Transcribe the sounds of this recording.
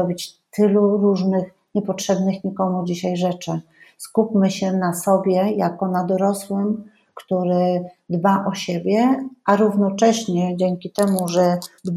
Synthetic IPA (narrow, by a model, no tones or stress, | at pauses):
ɔbʲit͡ɕt̪ɘluɾuʐnɘx | ɲɛpɔtʂɛbnɘxɲikɔmud͡ʑiɕajʐɛt͡ʂɘ | skupʲmɘɕɛnasɔbʲjɛjakɔnad̪ɔɾɔswɘm | kt̪uɾɘd̪baʔɔɕebʲjɛʔaɾuvnɔt͡ʂɛɕɲɛd͡ʑɛŋkʲit̪ɛmuʐɛd̪b